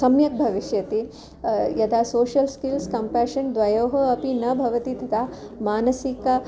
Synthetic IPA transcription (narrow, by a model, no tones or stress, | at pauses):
sɐmjɐk̚bʱɐʋiʃjɐt̪i | jɐd̪aːsoːʃɐlskilskɐmpæːʃɐnd̪ʋɐjoːɦɐɐpinɐbʱɐʋɐt̪id̪ʱɐd̪aːmaːnɐsikɐ